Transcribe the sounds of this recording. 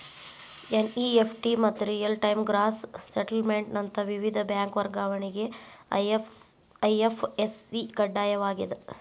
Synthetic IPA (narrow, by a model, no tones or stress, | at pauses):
eniepʰʈimɐt̪ːuɾijɐlʈɐjmɡɾaːsːeʈɐlmeɳʈnɐnt̪ɐʋiʋid̪ʱɐbjaːŋkʋɐɾɡaːʋɐɳiɡe̞ | ɐjepʰesiɡɐɖːaːjɐʋaːɡid̪e